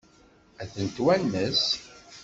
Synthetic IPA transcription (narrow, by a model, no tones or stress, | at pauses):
æθənt̪wænːəs